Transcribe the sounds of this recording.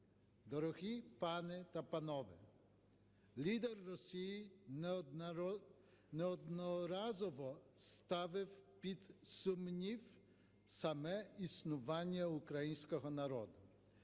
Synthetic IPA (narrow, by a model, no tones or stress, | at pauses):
d̪ɔɾɔɣʲipanɪt̪apanɔʋɪ | lʲid̪ɛrːɔsʲiji | nɛɔd̪nɔɾazɔʋɔst̪aʋɪwpʲid̪sumnʲiw | samɛisnʊʋanʲːɐukɾɐjinʲsʲkɔɦɔnɐɾɔd̪ʊ